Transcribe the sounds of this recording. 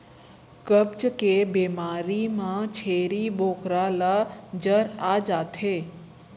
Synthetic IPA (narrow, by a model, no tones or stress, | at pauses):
kəbt͡ʃkebemaɾimãt͡ʃʰeɾibokɾalad͡ʒəɾad͡ʒat̪ʰe